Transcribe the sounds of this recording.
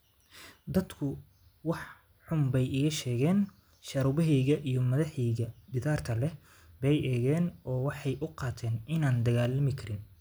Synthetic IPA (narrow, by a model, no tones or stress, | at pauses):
d̪ɐd̪kʰʊ | wɑħ | ħʊmbɛjɪɣɐʃɛːɣɛːn | ʃɐɾʊbɐɦɛjɣɐʔijɞmɐðɐħɛjɣɐd̪ɪðaːrt̪ʰɐlɛ | bɛjʔɛːɣɛːnɔːwɑħɑjʔʊqɑːt̪ʰɛːnɪnaːnd̪ɐɣaːlɐmɪkʰɐɾɪn